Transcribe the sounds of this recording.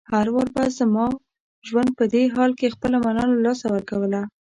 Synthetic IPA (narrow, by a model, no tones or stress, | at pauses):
haɾwaɾbazəmɑ | ʒwand̪̚pəd̪eɦɑlkexpəlamanɑlalɑsawəɾkawəla